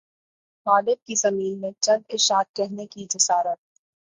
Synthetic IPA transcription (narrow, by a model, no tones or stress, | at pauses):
maːɖ̪ɪb̚kizɐmiːlmẽt͡ʃɐ̃nd̪ɪʃaːt̪̚kɛɦnekid͡ʒɐsaːɾət̪̚